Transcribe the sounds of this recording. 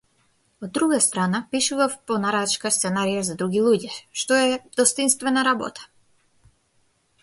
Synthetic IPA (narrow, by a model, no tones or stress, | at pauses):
ɔd̪ːɾuɡast̪ɾanapiʃuvafpɔnaɾat͡ʃkast̪sɛnaɾijazad̪ɾuɡilˠuɟɛʃt̪ɔɛd̪ɔst̪inst̪vɛnaɾabɔ̰t̪ʰḁ